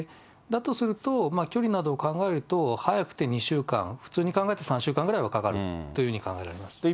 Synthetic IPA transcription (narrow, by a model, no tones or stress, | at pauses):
d̪at̪o̞sɨɾɯ̟t̪o̞makʲo̞ɾʲinad̪o̞ːkãŋɡae̞ɾɯ̟t̪o̞hajakɯ̥t̪e̞ɲ̟iɕɨːkã̰ŋ̃ɸɯ̟̥t͡sɨːɲ̟ikãŋɡae̞t̪e̞sãɕɨːkãŋɡɯ̟ɾaiβakakaɾɯ̟t̪ːo̞jɯ̟ːɯ̟ɲ̟ikã̰ŋɡae̞ɾa̰ɾe̞masɨ̥